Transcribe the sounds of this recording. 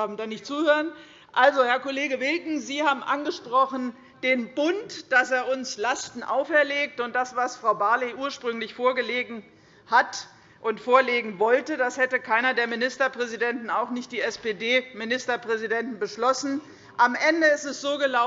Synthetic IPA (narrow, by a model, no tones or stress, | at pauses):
aːbm̩daːnɪçtt͡suːhøːʁən | ʔalzohɛɐkoleːɡəvɪlkŋ̩ziːhaːbm̩ʔanɡəʃpʁ̥ɔχn̩ | d̥eːnbʊntd̥aseːɐʊnslastn̩ʔaʊfɛɐleːk̚tʊnt̚d̥asv̥asfʁ̥aʊbaɐliʔuːɐʃpʁ̥ʏŋlɪçfoːɐɡəleːɡŋ̩ | hat | ʔʊntfoːɐleːɡŋ̩vɔltədashɛtəkʰaɪnɐdeːɐmɪnɪstɐpʁ̥ɛzidɛntn̩aʊxnɪçt̚d̥iːɛspeːdeːmɪnɪstɐpʁ̥ɛzidɛntn̩bəʃlɔsn̩ | ʔamʔɛndəɪstɛsz̥oːɡəla